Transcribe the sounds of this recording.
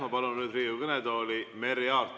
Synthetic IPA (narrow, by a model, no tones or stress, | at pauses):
mɑpɑlunnyːd̪riːukɤnɛd̪oːlimeɾiɑːrt̪